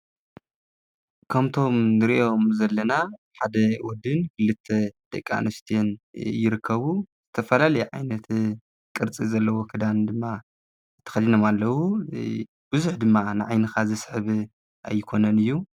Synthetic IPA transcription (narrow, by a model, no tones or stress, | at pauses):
kʰɐmt̪ʰo̞mnɨɾiʔomzɐlːɐnaħad̪ɐwɔd̪ɨnkʰɨlːɨt̪ʰːed̪̥ɐ̰kʼːa̰nɐst̪ʰjenjɪɾɨkʰːɐβuz̥ɨt̪ʰɐfɐlalɐjiʕa̰jnɐt̪ | kʼɨɾt͡sʼizɐlːɐwo̞kʰɨd̪and̪ɨmːa | t̪ʰɐ̥xɐd̪inomalːɐwu | b̥ɨzuħd̪ɨmːanɨʕajnɨxazɨsħβ | ʔa̰jːɪkʰo̞nɐnɨjːu